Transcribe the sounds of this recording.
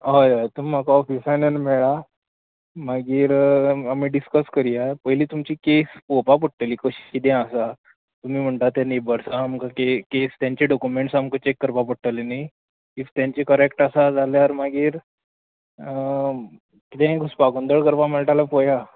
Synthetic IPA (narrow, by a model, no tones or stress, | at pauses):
ajat̪umim̤akaɔfisanənmɛɭa | maɡiːɾamiːɖiskəskəɾiapəjliːt̪umt͡ɕiːkespopap̬əʈːəliːkəɕi̥it̪̬ɛ̃asa | t̪um̤iːm̤əɳt̪at̪janebəɾsaːmkakekest̪jãɲt͡ɕeɖɔkumeɳʈsamkət͡ɕekːəɾpapəʈʈːəlenaj | ift̪jãɲt͡ɕekəɾekʈasad͡zʱaljaɾmaɡiːɾ | kit̪ẽɡuspaɡənd̪əɭkəɾpaməɭʈalapoja